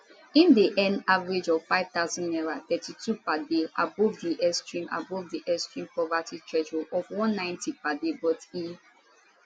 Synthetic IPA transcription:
ĩndiʔɛ̃navaɹed͡ʒɔv̥faɪv̥t̪aʊzɔ̃nnɛɹat̪ɛtitʰupadeʔa̰bɔvdiʔɛstɹĩma̰bɔvdiʔɛstɹĩmpɹɔvatʰitɹɛd͡ʒulɔvwɔ̃nːãɪ̃ntipadebɔti

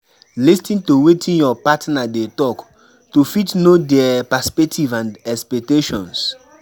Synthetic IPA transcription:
listĩntowetʰĩnjɔpatnadetɔk | tufitnodɛapaspɛk̚tʰivãndɛspɛk̚teʃɔ̃ns

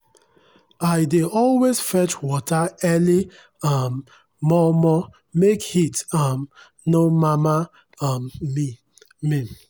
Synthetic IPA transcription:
aɪdeʔɔlwez̥fɛt͡ʃwɔtʰaɛli | amː | ɔmɔ | mekhitʌm | nomama | ʌmmi | mĩ

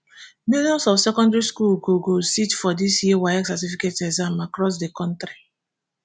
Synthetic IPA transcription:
miljɔ̃nsɔfsɛkɔ̃ndɹiskulɡoɡositfɔdisjiwaɛksatifiketɛzãmakɾɔs̬dekɔ̃ntɾi

